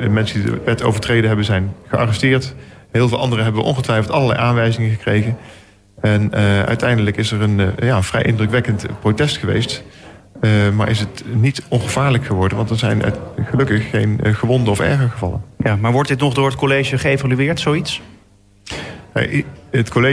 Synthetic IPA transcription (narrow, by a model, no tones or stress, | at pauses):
mɛnsəndidə̰ʋɛtʰo̰wvəɹtrejdənɦɛbənzɛjnχəɑ̰rɛstɪːɹtɦɪːlˠvɪːlˠɑ̰ndərəɦɛbəʋəʔɔ̰nχətʋɛjfəlˠtɑləɹlɛ̰jʔaːnʋɛjzɪŋəχəkrejɣə | ɛnœ̰ɥtɛjndələkɪsəɹənjaːəv̥rɛ̰jʔɪ̰ndrəkʋɛkəntprotɛstχəʋḛjst | maːɹʔɪ̰sətnitɔnχəv̥aːɹləkχəʋɔɹdənʋɑntɛɹzɛjnʔtχəlɵkəχːejnχəʋɔndəɔfɛ̰ɹχəɹχəvɑ̰lə̰njamaːɹʋɔɹt̚dɪtnɔχdʊːɹət̚kolejʒəχəevalyɪːɹtsowits | a̰ətkole